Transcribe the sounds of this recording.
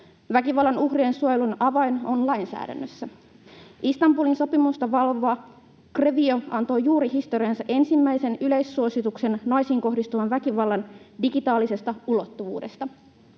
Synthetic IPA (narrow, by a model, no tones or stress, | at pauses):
ʋækiʋɑlːɑnuhɦrie̞nsuojelunɑʋɑjno̞nlɑjnsæ̰ːdæ̰nːøsːæ | ʔist̪ɑmbuːlinso̞pimust̪ɑʋɑlʋoː | kreʋio̞ɑnt̪o̞jjuːɾihist̪o̞ɾiɑnsɑʔe̞nsimːæjse̞nyle̞jsːuosit̪ukse̞nːɑjsiːŋko̞ɦdist̪uʋɑnʋækiʋɑlːɑndiɡit̪ɑːlise̞st̪ɑulo̞t̪ːuʋṵːde̞st̪ɑ